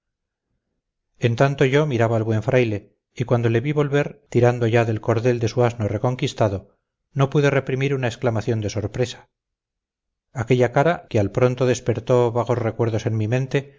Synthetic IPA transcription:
e̞nt̪ant̪o̞ʝo̞miɾaβaːlβwe̞ɱfɾʔajle̞ | ikwand̪o̞le̞βiβo̞lβe̞ɾt̪iɾand̪oʝaðe̞lko̞ɾðe̞ld̪e̞suaznore̞ko̞ŋkist̪aðo̞ | no̞puðe̞re̞pɾimiɾunaesklamaθjo̞nd̪e̞so̞ɾpɾesḁ | ke̞ʎakaɾakealpɾo̞nt̪o̞ðe̞spe̞ɾt̪o̞βaɣo̞zrekwe̞ɾðo̞se̞nmimẽ̞nt̪e̞

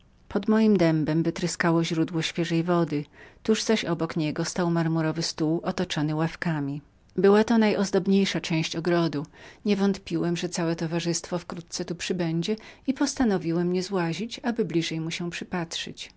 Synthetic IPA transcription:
pɔd̪mɔjimd̪ɛmbɛmvɘt̪ɾɘskawɔʑɾud̪wɔɕfʲjɛʐɛjvɔd̪ɘt̪uʐzaɕɔbɔkɲɛɡɔst̪awmaɾmuɾɔvɘst̪uwʔɔt̪ɔt͡ʂɔnɘwafkamʲi | bɘwat̪ɔnajɔzd̪ɔbɲejʂat͡ʂɛ̃w̃ɕt͡ɕɔɡɾɔd̪uɲɛvɔnt̪pʲiwɛmʐɛt̪sawɛt̪ɔvaʐɘst̪fɔfkɾut̪̚tsɛt̪upʂɘbɛɲd͡ʑɛipɔst̪anɔvʲiwɛmɲɛzwaʑit͡ɕabɘblʲiʐɛjmuɕɛ̃pʂɘpatʂɘ̰t͡ɕ

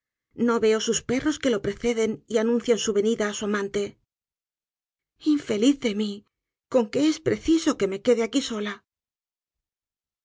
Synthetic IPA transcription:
no̞βe̞o̞suspe̞ro̞ske̞lo̞pɾe̞θe̞ðe̞nianũnθjensuβe̞niðaːsuamãnt̪e̞ | iɱfe̞liθðe̞mi | ko̞ŋke̞e̞spɾe̞θiso̞ke̞me̞ke̞ðe̞akiso̞la

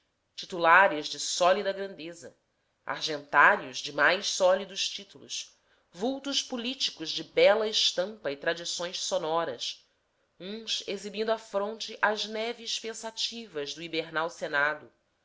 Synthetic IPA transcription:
t͡ʃit̪ulaɾɪʒd͡ʒɪsɔlid̪ɐɡɾɐ̃nd̪ezɐ̰ | a̰ɾʒẽnt̪aɾjʊʒd͡ʒɪmajʃsɔlid̪ʊʃt͡ʃit̪ulʊ̰ʃ | vuwt̪uʃpulit͡ʃi̥kʊʒd͡ʒɪbɛlɐɪʃt̪ɐ̃mpɐɪt̪ɾad͡ʒisõj̃ssonɔɾɐ̰s | ũsezibĩnd̪ʊafɾõnt͡ʃɪʔɐʒnɛvɪʃpẽsat͡ʃivɐzd̪ʊibeɾnawsenad̪ʊ

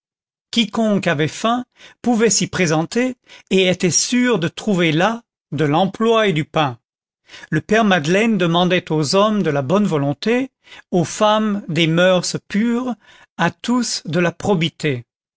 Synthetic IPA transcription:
kʲikɔ̃kavɛfɛ̃puvɛsipχezɑ̃t̪eːet̪ɛsyʁd̪ət̪χuvela | d̪əlɑ̃plwaed̪ypɛ̃ | ləpɛʁmad̪lɛnd̪əmɑ̃d̪ɛt̪ozɔmd̪əlabɔnvɔlɔ̃t̪e | ofamd̪emœʁspyːʁ | at̪usd̪əlapχɔbit̪e

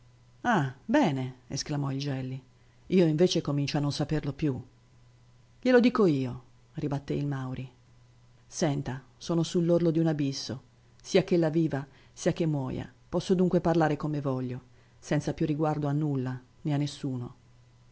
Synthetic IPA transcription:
abɛːneḛsklamɔild͡ʒɛlːi | iːoiɱveːt͡ʃekomint͡ʃoanːonsaperlopju | ʎelod̪iːkoiːo | ribat̪ːeilmawɾi | sɛnt̪a | sɔːnosulːorlod̪iunabisːo | siːakelːaviːva | siːak̟emːwɔ̰ːja̰pɔsːod̪uŋkweparlaːɾekomevɔʎːo | sɛnt̪sapjurːiɡward̪oanːulːa | neanːesːuːno

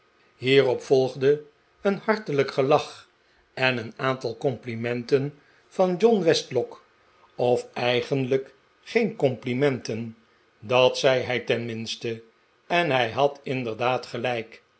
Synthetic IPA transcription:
ɦiːrɔpfɔlˠχdə | ənhɑɹtələkχəlɑχ | ɛnənaːntɑlˠkɔmplimɛntən | v̥ɑnd͡ʒɔnʋɛstlɔk | ɔfɛjχənlək | χejnkɔmplimɛntən | dɑtsɛjɦɛjtɛnmɪnstə | ɛnɦɛjɦɑtɪndəɹdaːtχəlɛjk

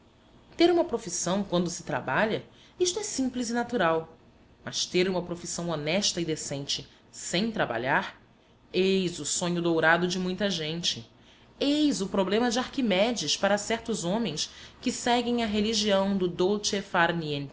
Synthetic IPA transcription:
t̪eɾũmɐpɾofisɐ̃w̃kwɐ̃nd̪ʊsɪ̥t̪ɾa̰baʎɐ | iʃt̪ʊɛsĩmplizɪnat̪uɾaw | mɐʃt̪eɾũmɐpɾofisɐ̃w̃onɛʃt̪ɐid̪esẽnt͡ʃɪ | sẽj̃t̪ɾaba̰ʎaɾ | ejzʊsõɲʊd̪owɾad̪ʊd͡ʒɪmũj̃t̪ɐʒẽnt͡ʃɪ | ejzʊpɾoblẽmɐd͡ʒɪaɾkimɛd͡ʒiɪʃpaɾɐsɛɾt̪ʊzõmẽj̃skɪsɛɡẽj̃ɐɦeliʒiɐ̃w̃d̪ʊd̪owt͡ʃefaɾniẽn

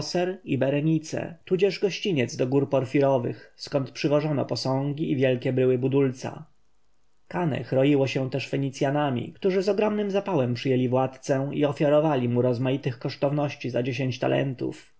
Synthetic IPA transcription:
sɛɾibɛɾɛɲit̪sɛ̰t̪ud͡ʑɛʐɡɔɕt͡ɕiɲɛd̪zd̪ɔɡuɾpɔɾfʲiɾɔvɘ̰xskɔnt̪pʂɘvɔʐɔnɔ̰pɔsɔ̃ŋɡʲiːvʲjɛlkʲɛbɾɘwɘbud̪ult̪sa̰ | kanɛ̰xɾɔjiwɔɕɛ̃t̪ɛʂfɛɲit̪sʲjanamʲḭkt̪uʐɘzɔɡɾɔmnɘmzapawɛmpʂɘjelʲivwat̪t̪sɛiɔfʲjaɾɔvalʲimuɾɔzmajit̪ɘxkɔʂt̪ɔvnɔɕt͡ɕizad͡ʑeɕeɲt͡ɕt̪a̰lʔɛ̰nt̪ṵf

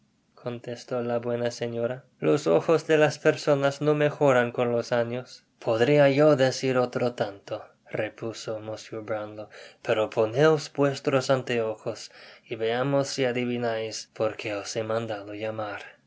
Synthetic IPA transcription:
kʰo̞nt̪est̪olaβwe̞nase̞ɲo̞ɾa | loso̰xozðelaspeɾso̞nasno̞me̞xo̞ɾaŋko̞nlo̞saɲo̞s | pʰoðɾiajo̞ðe̞siɾot̪ɾot̪ant̪o | repusomosjubɾand̪ope̞ɾopʰo̞neosbwe̞st̪ɾosant̪eoxosiβe̞amosːiaðiβinajspo̞ɾkʰe̞osemãnd̪aðojamaɾ

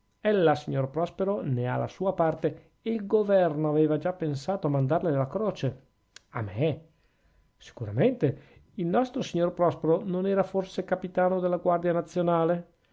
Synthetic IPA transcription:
ɛlːasiɲːorpɾɔspeɾonea̰lːa̰suːapart̪eː | ilɡovɛrnoaveːvad͡ʒapːensaːt̪oamand̪arlelakɾoːt͡ʃe | a̰me | si̥kuɾament̪e | ilnɔst̪ɾosiɲːorpɾɔspeɾononɛːɾaforsekapit̪aːnod̪elːaɡward̪janat̪sːjonaːle

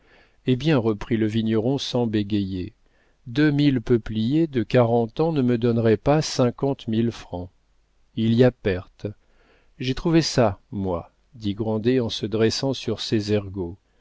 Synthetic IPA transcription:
ebjɛ̃ʁəpχiləviɲjɔʁɔ̃sɑ̃beɡʲeje | d̪ømilpəplijed̪əkaʁɑ̃t̪ɑ̃nəməd̪ɔnʁɛpasɛ̃kɑ̃t̪milfχɑ̃ | iliapɛʁt̪ | ʒet̪χuvesamwa | d̪iɡʁɑ̃d̪eɑ̃səd̪ʁɛsɑ̃syʁsezɛʁɡo

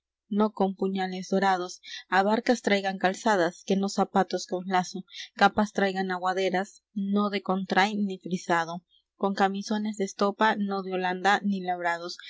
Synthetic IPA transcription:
no̞ko̞mpuɲale̞zðo̞ɾaðo̞saβaɾkast̪ɾajɣaŋkalsaðaske̞no̞sapat̪o̞skonlasokapast̪ɾajɣanaɣwaðe̞ɾas | no̞ðe̞ko̞nt̪ɾajnifɾisaðo̞ | ko̞ŋkamiso̞ne̞zðest̪opano̞ðeo̞land̪anilaβɾað̞o̞s

